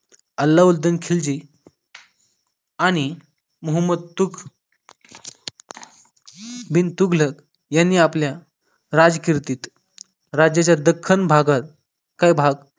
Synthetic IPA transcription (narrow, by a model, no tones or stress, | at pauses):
əlːauld̪ənkʰeld͡ʑi | aɽ̃i | məɦəmːəd̪̚t̪ukʰ | bint̪uɡlək | janːiːaplja | ɾad͡zkiɾt̪iːt̪ | ɾad͡ʑjat͡ɕjad̪əkʰːənbʱaɡat̪̚ | kajbʱaɡ